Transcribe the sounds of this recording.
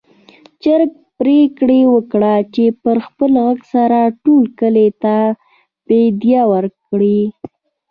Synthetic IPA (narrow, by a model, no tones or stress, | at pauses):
t͡ʃaɾk̚ | pɾekɽewəkɽat͡ʃepəɾxpəlɣaɡsaɾaʈolkəlet̪a | bed̪jɑwəɾkɽi